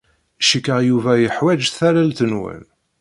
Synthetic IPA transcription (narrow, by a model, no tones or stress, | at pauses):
ʃikːəʁjuvæjəħwæd͡ʒθæɾælt̪ənwæ̰n